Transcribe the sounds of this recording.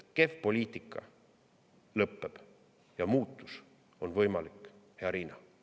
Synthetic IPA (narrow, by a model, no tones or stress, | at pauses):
ke̞fpo̞lʲiːt̪ˑikːˑɑ̰ | lɤpːe̞b̥ | jɑmuːt̪ːˑus | o̞nvɤjmɑlikːˑheɑɾiːnɑ